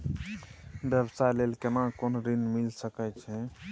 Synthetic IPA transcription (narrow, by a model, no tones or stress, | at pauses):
bjəbsalelkenakonɾinmilsəkɛt͡ʃʰɛ̃